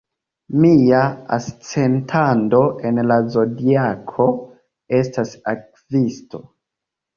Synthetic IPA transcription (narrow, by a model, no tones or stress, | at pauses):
miaa̰st͡se̞ntʰando̞ʔe̞nlazo̞diakʰo̞ | e̞stasak̚ | visto̞